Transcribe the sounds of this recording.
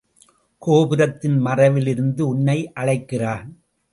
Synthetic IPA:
koːbɪɾɐt̪ːɪnmɐrɐʋɪlɪɾɯnd̪ɯʊɳːɐɪʔɐɻɐɪkːɪraːn

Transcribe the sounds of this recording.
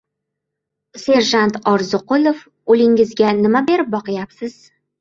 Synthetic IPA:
se̞ɾʒant̪ɒɾzʊqʊlˠof | olɪŋɪzɡʲanɪmabe̞ɾɪp̚bɒqɨjapsɪz̥

